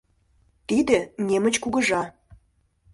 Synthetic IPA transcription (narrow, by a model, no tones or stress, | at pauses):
t̪id̪ə̆nʲemə̆t͡ɕkuɡəʒɑ